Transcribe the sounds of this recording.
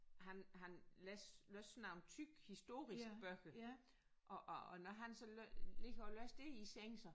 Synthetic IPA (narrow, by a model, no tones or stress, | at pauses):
ɦænɦænlɛsløsnɑʊnt͡sʰyɡ̥hisd̥o̝̰ːʁisɡ̥b̥œɡ̥ə | ʔɒʔnɒɦænsɒ̽løle̝ɡ̥ɐɒlø̰ːsd̥e̝iseŋsɐ